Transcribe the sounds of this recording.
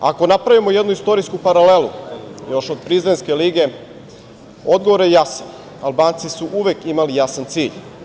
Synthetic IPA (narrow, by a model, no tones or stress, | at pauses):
a̰ko̞napɾaʋimo̞jed̪nuist̪o̞ɾiskupaɾalelujo̞ʃod̪̚pɾizenske̞liɡe̞ | o̞d̪ɡoʋoɾjejasan | albaːnt̪sisuʔuʋekimalijasant̪siːʎ